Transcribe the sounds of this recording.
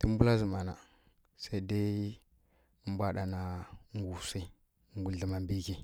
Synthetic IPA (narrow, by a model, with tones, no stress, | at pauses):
ti˦m˦bu˦la˦zi˨ma˨na˨ | sa˦i˦da˦ | ə˦m˦bʷa˦ɗa˨na˨ŋɡu˨si˦ | ŋɡu˨ɮi˨ma˨mbi˦ki˦